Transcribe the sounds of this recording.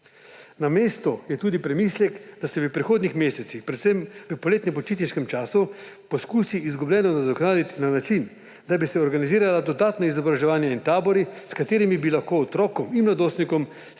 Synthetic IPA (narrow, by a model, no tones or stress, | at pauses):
nameːst̪ɔjɛt̪uːd̪ipɾɛmiːslʲɛkd̪asɛʋəpɾixoːd̪nixmeːsɛt̪sixpɾɛt̪sɛmʋəpɔleːt̪nɛmpɔt͡ʃiːt̪niʃkɛmt͡ʃaːsu | pɔskuːsiːzɡublɛːnɔnad̪ɔknaːd̪it̪inanat͡ʃin | d̪abisɛɔɾɡaniziːɾalad̪ɔd̪aːt̪naizɔbɾaʒɛʋaːnjaint̪aːbɔɾiskat̪eːɾimibilaxkoːt̪ɾɔːkɔminmlad̪oːst̪nikɔm